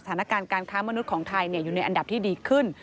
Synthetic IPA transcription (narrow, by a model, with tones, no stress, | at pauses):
at̪ʰaː˩˦na˦˧˥kaː˧nkaː˧nkʰaː˦˥ma˧nu˦˥t̪̚kʰɔː˩˦ŋt̪ʰa˧jni˥˩ɐjuː˨˩na˧jʔa˧nda˨˩p̚t̪ʰiː˥˩diː˧kʰɯ˥˩n